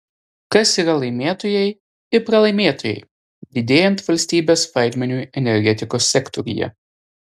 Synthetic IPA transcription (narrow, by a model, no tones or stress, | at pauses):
kɐsiːɾɐlˠɐɪmʲeːt̪oːjɛɪ | ɪpɾɐlˠɐɪmʲeːt̪oːjɛ̰ɪ | d̪ʲɪd̪ʲeːjɛnt̪ʋɐlʲsʲt̪ʲiːbʲeːsʋɐɪd̪ʲmʲɛnʲuːɛnʲɛɾʲɡʲɛt̪ʲɪkoːsʲːɛkt̪ɔɾʲɪ̰jɛ̰